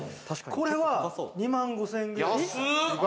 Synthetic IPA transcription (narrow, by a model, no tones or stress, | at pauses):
kʰoɾewaɲimaŋɡosʰeŋɡɯi